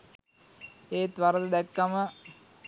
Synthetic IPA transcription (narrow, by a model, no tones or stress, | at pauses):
eːt̪ʋaɾəd̪əd̪ɛkːamə